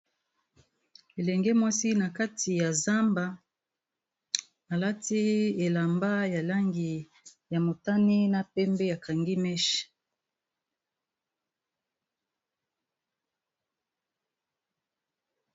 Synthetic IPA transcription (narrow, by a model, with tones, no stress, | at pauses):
e˨lɛ˨ŋɡɛ˦mwa˦si˦na˨ka˦ti˨ja˨za˦mba˦ | a˨la˦ti˦e˨la˨mba˦ja˨la˦ŋɡi˨ | ja˨mo˨ta˦ni˦na˨pɛ˦mbɛ˦ja˨kʰa˨ŋɡi˦mɛ˦ʃi̥˨